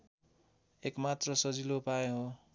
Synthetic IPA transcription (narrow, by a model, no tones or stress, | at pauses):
ekmat̪rʌsʌd͡zilopaeɦo